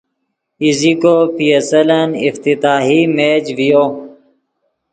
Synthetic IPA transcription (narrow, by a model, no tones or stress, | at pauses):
izikoːpiəsələnḭft̪it̪aːɦimeːd͡ʑʋijoː